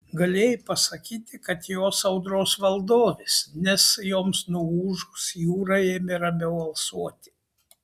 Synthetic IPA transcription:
ɡɐlʲeːjɪpɐsɐkʲiːt̪ʲɪkɐt̪joːsɐʊd̪ɾoːsʋɐlˠd̪oːʋʲɪsnʲɛsjoːmsnuuːʒʊsjuːɾɐeːmʲɪɾɐbʲɛʊɐlˠsuɔt̪ʲɪ̥

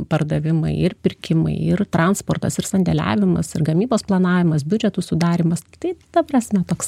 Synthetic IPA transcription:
pɐrd̪ɐʋʲɪmɐ̰ɪɪrpʲɪrʲkʲɪmɐ̰ɪɪrt̪ɾɑnspoːrt̪ɐsɪrsɐnʲd̪ʲɛlʲæ̰ːʋʲɪmɐ̰sɪrɡɐmʲiːboːsplˠɐnɑːʋʲɪmɐsbʲʊd͡ʒʲɛt̪usʊd̪ɑːɾʲiːmɐst̪ɐɪd̪̥ɐprɑsʲmʲɛt̪oːks

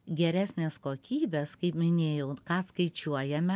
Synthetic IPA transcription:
ɡʲɛɾʲæːsʲnʲeːskoːkʲiːbʲeskɐɪpmʲɪnʲeːjɛʊkɑːskɐɪt͡ʃʲuɔjɛmʲɛ

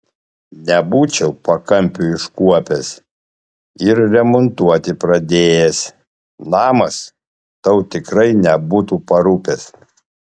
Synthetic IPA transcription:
nʲɛbuːt͡ʃʲɛʊpɐkɐmʲpʲʊɪʃkuɔpʲɛs | ɪɾɾʲɛmɔnt̪uɔt̪ʲɪpɾɐd̪ʲeːjɛs | nɑːmɐs | t̪ɐʊt̪ʲɪkɾɐɪnʲɛbuːt̪uːpɐɾupʲɛs

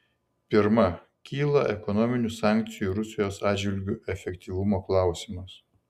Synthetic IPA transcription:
pʲɪɾmɐ | kʲiːlˠɐʔɛkɔnɔmʲɪnʲʊsɑːˑŋʲk̚t̪sʲɪjuɾʊsʲɪjoːsɑːd͡ʒʲʋʲɪlʲɡʲʊʔɛfʲɛkt̪ʲiʋʊmoːklˠɑˑʊsʲiːmɐs

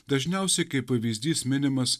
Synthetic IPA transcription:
d̪ɐʒʲnʲɛˑʊsʲɛkɐɪpːɐʋʲiːzʲd̪ʲiːsmʲɪnʲɪmɐs

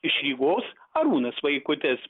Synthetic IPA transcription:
ɪʃʲɾʲiːɡoːsɐɾuːnɐsʋɐɪkʊt̪ʲɛs

